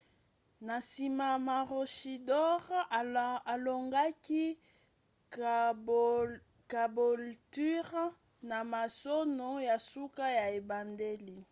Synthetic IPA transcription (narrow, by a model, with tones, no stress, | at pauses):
na˨si˨ma˨ma˨ʁo˨ʃi˨dɔ˦ʁ | a˨lo˨ŋɡa˦ki˦ | ka˨bo˨lty˦ʁ | na˨ma˨so˦no˨ja˨su˦ka˦ja˨e˨ba˨nde˦li˨